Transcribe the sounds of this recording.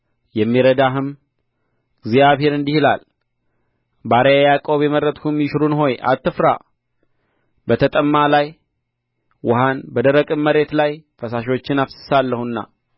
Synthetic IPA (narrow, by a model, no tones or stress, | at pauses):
jɛmːiɾəd̪aɦɨm | ɡzijaβhe̞ɾɨnd̪ihla̰l | baɾejajakʼo̞βeməɾət̪ʼkumjɪʃɾunɦo̞jʔa̰t̪ːɨfɾa̰ | bət̪ʰət̪ʼəmːalaj | wʔʊhanbəd̪əɾəkʼɨmmːəɾe̞t̪lajfəsaʃo̞t͡ʃːɪnafsɨ̥salːəhunːa̰